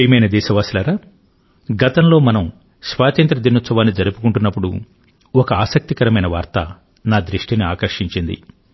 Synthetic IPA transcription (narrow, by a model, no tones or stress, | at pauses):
jmɐjnɐd̪ɛːʃɐʋaːsilaːɾaː | ɡɐt̪ɐmlo̞ːmɐnɐm | sʋaːt̪ɐnt̪ɾɐd̪inːot̪sɐʋaːnːid͡ʒɐɾupukuɳʈunːɐpːuɽu | ɔkɐaːsɐk̚t̪ikɐɾɐmɐjnɐʋaːɾt̪ɐ | naːd̪ɾiʂʈiniaːkɐɾʂiɲt͡ʃind̪ḭ